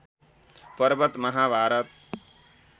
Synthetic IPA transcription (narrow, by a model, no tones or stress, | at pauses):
pɐɾbət̪mɐɦaːbʱaːɾɐt̪̚